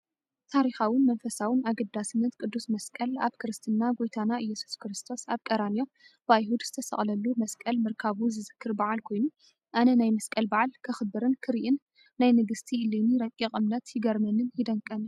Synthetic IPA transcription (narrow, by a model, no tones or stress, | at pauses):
t̪ʰaɾixawɨnmɐnfɐsawɨnaɡɐd̪ːasɨnːɐt̪̚kʼɨd̪ːusmɐskʼɐlaβkʰɨɾɨst̪ʰɨnːaɡojt̪ʰanaɨjːɛsu̥skɾɨst̪ʰo̞saβkʼɐɾanio̞mbɨajhud̪z̥ɨt̪ʰɐsɐ̰χʼlɐlːumɐskʼɐlmɨɾkʰaβuzɨzɨkʰːɨɾbaʕalkʰo̞jnu | ʔanɐnajmɐskʼɐlbaʕalkʰɨxɨbɨɾɨnkʰɨɾiʔɨnː | ajnɨɡɨst̪ʰiɨliniɾɐkʼːiχʼɨmlɐt̪jɪɡɐɾmɐnɨnjɪd̪ɐŋkʼːɐn